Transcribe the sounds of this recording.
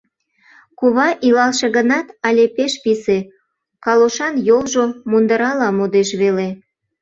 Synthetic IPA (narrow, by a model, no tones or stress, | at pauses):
kuβɑʔilɑlʃeɣənɑt̪ɑlʲepeʃpise | kɑloʃɑnjolʒomund̪əɾɑlɑmod̪eʃβele